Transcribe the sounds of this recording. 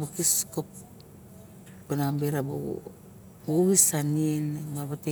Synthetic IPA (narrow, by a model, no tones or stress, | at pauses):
bokiskop | bonambeɾabo̰ | boβisanienbabate